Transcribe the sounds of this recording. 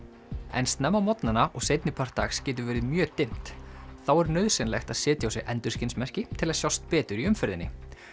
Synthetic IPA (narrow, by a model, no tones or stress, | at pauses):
ɛ̰nst̪nɛmːawmɔt̪nanaʔɔɣsejt̪nɪpʰar̥t̪a̰xscɛːt̪̬ʏvɛːɾɪðmjœːt̪ejm̥t̪θawɛɾnœðsɪnlɛ̰xt̪aðsɪːt̪jawsɪɣʔɛnt̪ʏ̥scɪnsmɛr̥cɪt̪ʰɪlaðsjɔwst̪pɛːt̪ʏɾiʏmfɪɾðɪnːɪ̰